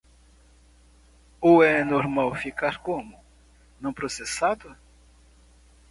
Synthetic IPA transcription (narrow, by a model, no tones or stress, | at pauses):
ʊɛnoɾmawfikaɾkõmʊ | nɐ̃w̃pɾosesad̪ʊ